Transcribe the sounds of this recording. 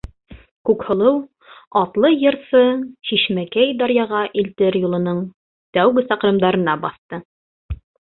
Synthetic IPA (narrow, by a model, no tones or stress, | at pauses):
kʉkhŏlˠɤw | ɑt̪lˠɤjɤ̆ɾsɤɕiʃmækæjd̪ɑɾjɑʁɑʔilt̪ɘɾjulˠɤ̆nɤɴ | t̪æwɡɘsɑqɾɤ̆md̪ɑɾɤ̆nɑbɑθt̪ɤ